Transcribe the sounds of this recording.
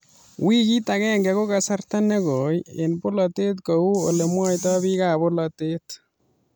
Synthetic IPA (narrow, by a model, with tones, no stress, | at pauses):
wi˦ki˦ta˨kɛː˦ŋɡɛ˨ko˦ka˨sa˦rta˦ne˦ko˨jɪ̰˨npʊ˦lɔ˨te˦tko˨u˦o˨le˨mwɔ˦jtɔ˦bi˦ka˨bʊ˦lɔ˨te˦t